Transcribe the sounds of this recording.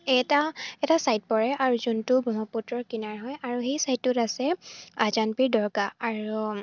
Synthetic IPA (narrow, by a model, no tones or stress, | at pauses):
ɛtaɛtasajt̚pɔɹɛʔaɹuzuntubɔmɔputɹɔɹkinaɹɦɔjaɹuxejsajtːutasɛazanpiɹdɔɹɡaːɹu